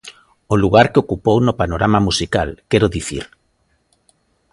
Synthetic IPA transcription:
oluɣaɾkeokupownopanoɾamamusikalkɛɾoðiθḭɾ

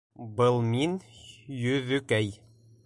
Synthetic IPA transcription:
bɤlˠminjɵðʉkæj

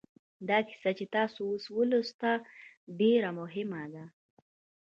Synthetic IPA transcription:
d̪ɑkɪ̥sat͡ʃet̪ɑsooswəlost̪a | ɖeɾamʊɦɪmad̪a

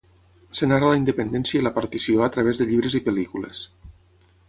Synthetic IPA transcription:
senaɾalaind̪əpend̪ɛnsiəiləpaɾt̪isioat̪ɾəβezðəʎiβɾezipəlikulḛs

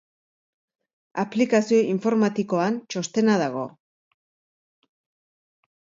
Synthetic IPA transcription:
aplikasio̞ʔiɱfo̞ɾmat̪iko̞ant͡ʃo̞st̪e̞naðaɣ̞o̞̰

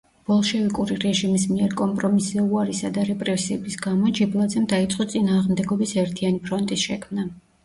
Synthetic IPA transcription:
b̥ɔlˠʃɛvikʼuɾiɾɛʒimismiɛɾkʼɔmpʼɾɔmisɛuaɾisad̪aɾɛpʼɾɛsiɛbisɡamɔd͡ʒiblˠad̪zɛmd̪ait̪sʼqʼɔt̪sʼinaːʁmd̪ɛɡɔbisɛɾt̪ʰianipʰɾɔnt̪ʼisʃɛkʰmna

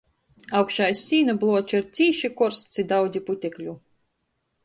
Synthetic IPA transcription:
awkʃajsʲiːnablˠuɔt͡ʃiɾt̪sʲiːʃikɔɾst̪sʲid̪awd̪zʲiput̪ʲɛklʲu

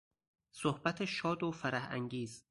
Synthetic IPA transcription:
sohbæt̪ʰeʃɒːd̪ofæɾæhæ̰ŋɟiːz

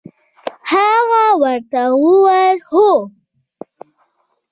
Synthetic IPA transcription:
haɣawaɾt̪awʊwaɾhʊ

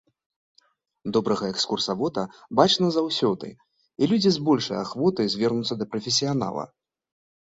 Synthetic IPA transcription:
d̪ɔbɾɐɣɐɛkskursavɔt̪ɐbat͡ʂnɐzawsʲɔd̪ɨ̰ | ilʲud͡zʲizbɔlʲʂɐj̰a̰xvɔt̪ɨzʲvʲɛrnut̪sɐd̪ɐpɾɐfʲes̬ʲijan̪a̰lˠɐ̰

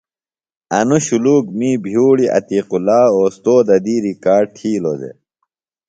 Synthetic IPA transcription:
ɐnuɕuluːkmiːbʱjuːɽiʔɐ̰t̪iːqulaːoːst̪oːd̪ɐd̪iːɾikaːɖ̚ʈʰiːlo̰ːd̪ḛ

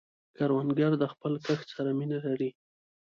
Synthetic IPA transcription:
kaɾwanɡaɾd̪əxpəlkəxsaɾaminalaɾi

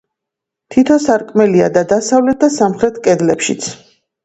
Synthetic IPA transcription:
t̪ʰit̪ʰɔsaɾkʼmɛliad̪ad̪asavlɛt̪̚d̪asamχɾɛt̪ʰkʼɛd̪lɛpʃḭt̪sʰ

